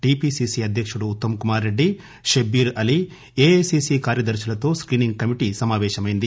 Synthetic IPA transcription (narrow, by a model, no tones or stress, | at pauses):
ʈiːpiːsiːsiɐd̪ʱjɐkʂuɽuːt̪ːɐmɐkumaːɾːe̞ɖːi | ʃɐbiːɾɐli | eːesisiːkaːɾjɐd̪ɐɾʃɐlɐt̪o̞ːskɾiːniŋɡ̚kɐmiʈisɐmaːʋɛːʃɐmɐjind̪i